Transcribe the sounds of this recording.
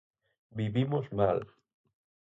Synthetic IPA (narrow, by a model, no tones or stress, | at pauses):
biβimozmal